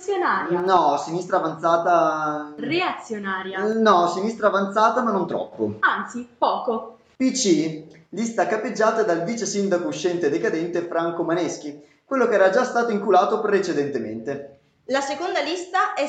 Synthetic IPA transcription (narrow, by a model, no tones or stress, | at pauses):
sjonaːɾjanɔsinist̪ɾaːvant̪saːt̪areat̪sːjonaːɾjanɔsinist̪ɾaːvant̪saːt̪amanːont̪ɾɔ̰pːo̰ant̪sipɔːko | pit͡ʃilist̪akapːed͡ʒːaːt̪ad̪alviːt͡ʃesind̪akouʃːɛnt̪ed̪ekad̪ɛnt̪efɾaŋkomanɛsk̟i | kwelːokeɛːɾad͡ʒast̪aːt̪oiŋkulaːt̪opɾet͡ʃed̪ent̪emḛnt̪e | lasekond̪alist̪aɛ